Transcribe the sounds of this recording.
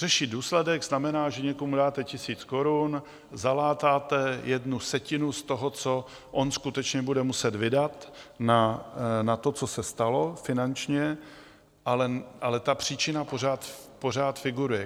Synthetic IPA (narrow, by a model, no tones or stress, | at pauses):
r̥ɛʃiːduːslɛdɛɡznamɛnaːʒɛɲɛkomudaːt̪ɛcɪsiːt͡sko̞ɾun | zalaːt̪aːt̪ɛjɛdnusɛcɪnust̪o̞ɦot͡so̞ | ʔonskut̪ɛt͡ʃɲɛbudɛmusɛt̪vɪdat̪nanat̪o̞t͡sosɛst̪alo̞fɪnant͡ʃɲɛ | ʔalɛʔalɛt̪apr̝̥iːt͡ʃɪnaporaːt̪po̞r̝aːt̪fɪɡuɾujɛ